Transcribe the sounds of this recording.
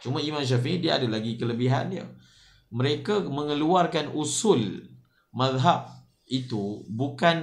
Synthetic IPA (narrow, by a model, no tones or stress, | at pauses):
t͡ʃumaimãnʃ̬afiidiaadalaɡikələbiɦa̰njə̰ | məɾekamə̃ŋəluarkanusul | maðɦab̚ | it̪ubukan